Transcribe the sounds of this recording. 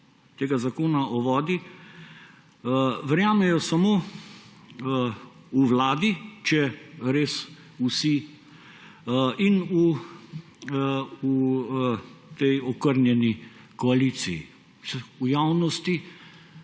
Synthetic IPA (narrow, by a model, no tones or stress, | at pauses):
t̪eːɡazakoːnaʔɔʋɔːd̪i | ʋɛɾjaːmɛjɔsamoː | uʋlaːd̪it͡ʃɛɾeːs | usi | inu | u | t̪ɛjɔkəɾnjɛni | kɔalit̪sijḭ | sɛujawnɔst̪i